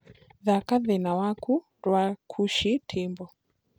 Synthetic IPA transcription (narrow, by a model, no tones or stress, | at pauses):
ðakaðɛnawakʰu | ɾwakʰuʃitʰimbɔ